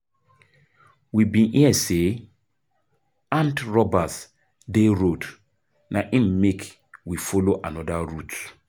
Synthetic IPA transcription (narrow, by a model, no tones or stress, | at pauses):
wibĩniɛse | ãntɾɔbas | deɾod | nʔaʔimmekʰ | wifoloʔanɔdaɾut